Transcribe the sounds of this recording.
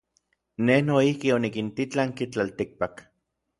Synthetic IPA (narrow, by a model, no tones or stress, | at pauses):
nehnoihkionikint̪it͡ɬaŋkit͡ɬalt̪ik̚pak